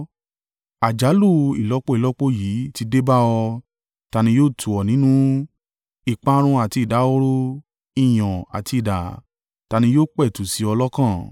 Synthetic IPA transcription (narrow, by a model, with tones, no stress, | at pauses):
a˨d͡ʒa˨˦lu˦˨ḭ˨lɔ˦k͡po˦i˦˨lɔ˦k͡po˦jiː˨˦ti˧de˦ba˦ɔ˧ | ta˧nĩ˧˦joː˦˨tʰu˨ɔ˨nĩ˨˦nũ˦ | i˨k͡pa˦ɾ̃ũ˧a˨ti˧i˨da˨˦o˦ɾo˦ | i˦˨j̃ɔ̃˨a̰˨ti˧i˦˨da˨ | ta˨˧nĩ˧joː˦˨k͡pɛ˦˨tu˨si˨˦ɔ˧lɔ˦kã˦˨